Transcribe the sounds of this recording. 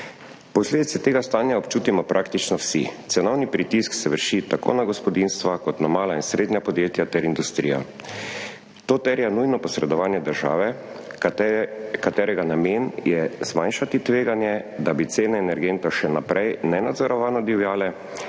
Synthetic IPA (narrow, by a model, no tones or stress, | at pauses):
pɔsled̪it̪sɛt̪eːɡast̪aːnjaɔpt͡ʃuːt̪imɔpɾʔakt̪it͡ʃnɔwsḭt̪sɛnɔwnipɾit̪isksɛʋəɾʃit̪ako̰ːnaɡɔspɔd̪inst̪ʋakɔt̪namaːlainsɾed̪njapɔd̪jeːt̪jat̪ɛɾind̪ust̪ɾija̰ | t̪oːt̪ɛɾjanujnɔpɔsɾɛd̪ɔʋaːnjɛd̪əɾʒa̰ːʋɛ | kat̪ɛːɾɛɡanameːnjɛzmajnʃat̪it̪ʋeːɡanjɛd̪abit̪seːnɛɛnɛɾɡent̪ɔʃɛnapɾʔɛjnɛnad̪zɔɾɔʋaːnɔd̪iwjaːlɛ